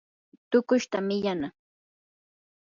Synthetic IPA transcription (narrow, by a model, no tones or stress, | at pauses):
t̪ʊkʊʃt̪amɪʎana